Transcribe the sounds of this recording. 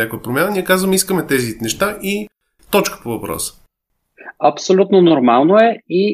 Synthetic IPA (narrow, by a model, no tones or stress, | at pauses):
akojəpɾomʲanəniɛkazvəmiskəmɛt̪ɛzinɛʃt̪aʔi | t̪ɔt͡ʃkə̥povɐpɾɔ̰sə̥ | ɐpsolʲut̪nonoɾmalˠnoɛi